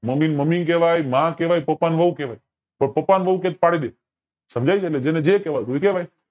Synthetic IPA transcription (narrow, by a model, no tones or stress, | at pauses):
məmiːnməmiːnk̬eʋaːjmãkeːʋaːipəpaːnʋəukeʋaːi | pəɳpəpaːnʋəukẽːt̪̚paːɽid̪eː | səmd͡ʒʱaːit͡ʃʰeəled͡ʒeːnẽd͡ʒekeːʋat̪oikeʋaːi